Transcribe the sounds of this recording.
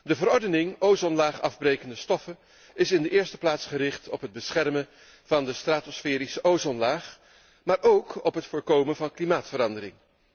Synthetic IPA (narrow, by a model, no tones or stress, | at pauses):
dəvəɾɔɹdənɪŋowzɔnlaːχɑvbrejkəndəstɔfə | ɪsɪndəʔɪːɹstə̥plaːtsχəɾɪχtɔpɦəd̚bəsχɛrmən | v̥ɑndəstraːtosfɛːɾisəʔowzɔnlaːχ | maːɾowkɔpɦətfʊːɹkowmənvɑnklimaːtfəɾɑndəɾɪ̰ŋ